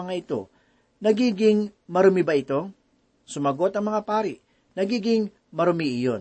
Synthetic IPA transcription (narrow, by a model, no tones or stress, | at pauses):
ɐŋaʔɪt̪o̞̰ | nɐɡiːɡɪŋmɐɾʊmibɐɪt̪o̞ | sʊmɐɡo̞t̪ɐŋmɐŋapaːɾɪʔ | nɐɡiːɡɪŋ | mɐɾʊmiʔɪjo̞n